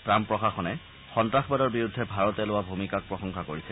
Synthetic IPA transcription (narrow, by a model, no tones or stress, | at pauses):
pɹampɹɔxaxɔnɛ | xɔntɹaxbadɔɹbiɹudʱːɛbʱaɹɔtɛlʊwabʱumikak̚pɹɔxɔŋxakoɹisɛ